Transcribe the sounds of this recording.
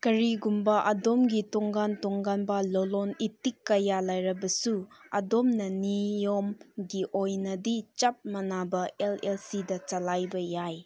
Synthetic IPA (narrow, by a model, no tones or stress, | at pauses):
kɐɾiɡumbɐʔɐdomɡitɔŋɡantɔŋɡanbɐlɔlɔnitikːɐjalajɾɐbɐsuɐ̰domnɐnijomɡiʔojnɐdit͡ʃɐp̚mɐnabɐelelsidɐt͡ʃɐlajbɐjaj